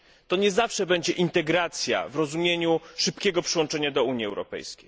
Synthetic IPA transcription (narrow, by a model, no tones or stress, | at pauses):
t̪ɔɲɛzafʂɛbɛɲd͡ʑɛʔint̪ɛɡɾat̪sʲja̰vɾɔzumʲjeɲuʂɘpkʲɛɡɔpʂɨwɔ̃nt͡ʂɛɲad̪ɔuɲjiɛwɾɔ̰pɛ̰jskʲej